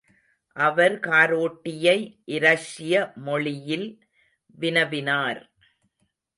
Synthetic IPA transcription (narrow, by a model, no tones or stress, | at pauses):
ʔɐʋɐɾkaːɾoːʈːɪjɐɪʔɪɾɐʂɪjɐmɔɭɪjɪl | ʋɪnɐʋɪnaːɾ